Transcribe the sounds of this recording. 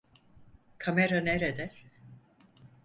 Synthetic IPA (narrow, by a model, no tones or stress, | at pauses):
kʰameɾaneɾed̪æɾ̥